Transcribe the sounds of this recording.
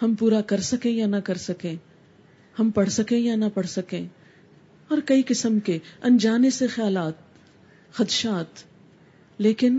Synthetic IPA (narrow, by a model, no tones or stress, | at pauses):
hɐmpuːɾakɐɾsɐkẽjanɐkɐɾsɐkẽ | hɐmpɐɽ̤sɐkẽjanɐpɐɽsɐkẽː | ɔːɾkɐikɪsəmkeɐ̃nd͡ʒaːnesexjaːlaːt̪̚ | xɐt̪ʃaːt̪ | leːkɪn